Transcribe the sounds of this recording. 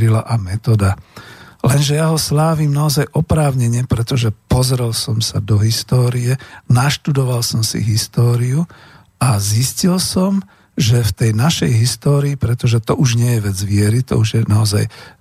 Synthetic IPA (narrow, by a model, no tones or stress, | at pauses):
ɾila̰ʔamɛt̪ɔd̪a | lɛnʒɛjaɦɔslaːʋiːmnaɔzajʔɔpɾaːʊɲɛɲɪɛpɾɛt̪ɔʒɛpɔzɾɛlsɔmsa̰d̪ɔɦist̪ɔːɾiɛnaʃt̪ud̪ɔʋalsɔmsḭɦist̪ɔːɾiu | aziscilsɔm | ʒɛft̪ɛjnaʃɛjɦist̪ɔːɾiːpɾɛt̪ɔʒɛt̪ɔʔuʒɲɪɛjɛʋɛd͡zʋɪɛɾit̪ɔ̰uʒjɛnaɔza̰j